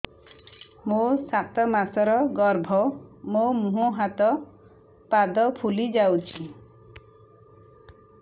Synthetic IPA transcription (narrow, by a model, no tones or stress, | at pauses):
mosat̪ɔmasɔɾɔɡɔɾbʱɔmomuɦuɦat̪ɔ | pad̪ɔpʰulid͡ʒawt͡ʃʰi